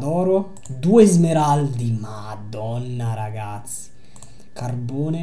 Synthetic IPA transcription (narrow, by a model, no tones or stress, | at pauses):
d̪ɔːɾo | d̪uezmeɾald̪imad̪ɔnːaɾaɡat̪si̥ | karboːne